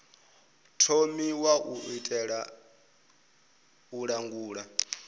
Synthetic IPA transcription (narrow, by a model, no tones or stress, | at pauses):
tʰomiwaʔuitʼɛɺa | uɺaŋɡuːɺa